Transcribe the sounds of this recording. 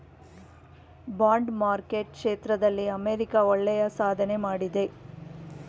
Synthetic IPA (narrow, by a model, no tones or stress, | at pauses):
baːɳɖmaːɾkeʈ̚kʂeːt̪ɾɐd̪ɐlːiɐmeːɾikaɔɭːɛjɐsaːd̪ʱɐne̞maːɽid̪e̞